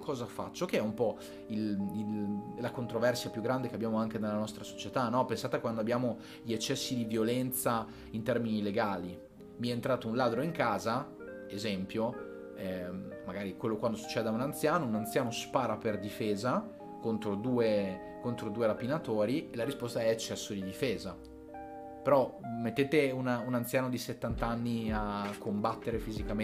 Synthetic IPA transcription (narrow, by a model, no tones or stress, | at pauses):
kʰɔːzafa̰t͡ʃːok̟eɛumpɔ | lillakont̪ɾovɛrsjapjuɡːɾand̪ekeabːjaːmoaŋked̪elːanɔst̪ɾaso̥t͡ʃet̪anɔpensaːt̪ekwand̪oabjaːmo | ʎet͡ʃːɛsːid̪ivjolɛnt̪sa | int̪ɛrminileɡaːli | miɛeːnt̪ɾaːt̪ounlaːd̪ɾoiŋkaːza | ezɛmpjo | ɛmaɡaːɾikwelːokwand̪osu̥t͡ʃːɛːd̪eaunant̪sjaːnounant̪sjaːnospaːɾaperd̪ifeːza | kont̪ɾod̪uːe | kont̪ɾod̪uːeɾapinat̪oːɾielaɾispost̪aɛːt͡ʃːɛsːod̪id̪ifeːza | peɾɔmet̪ːeːt̪eununant̪jaːnod̪iset̪ːant̪aanːiakːombat̪ːeɾefizikam